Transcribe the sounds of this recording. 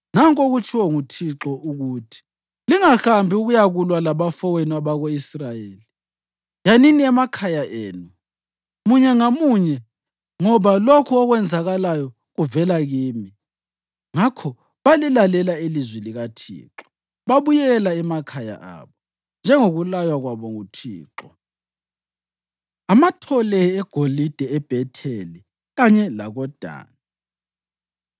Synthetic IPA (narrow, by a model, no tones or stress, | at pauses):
naŋkʼoɣut͡ʃʰʼiwɔŋutʰiǁɔʔuɣuːtʰi̥ | liŋaxambʱiuɣujaɣulwalaβafɔweniaβaɣoisrajeːli | janiniɛmakʰajaʔeːnu | muɲɛŋamuɲɛ | ŋɔβalokʰɔɔɣwɛnd͡zʱaɣalajɔ | ɣuvɛlaɣiːmi | ŋakʰɔ | βalɛlalɛlailizwiliɣatʰḭːǁɔ̥ | βaβujɛlaɛmakʰaja̰ʔa̰βɔ | nd͡ʒʱɛŋoɣulajwaɣwaβɔŋutʰḭːǃɔ | amatʰɔlɛɛɡ̥ʱolid̥ʱɛɛb̥ʱɛtʰeli | ɣaɲɛla̰ɣɔd̥ʱa̰ːna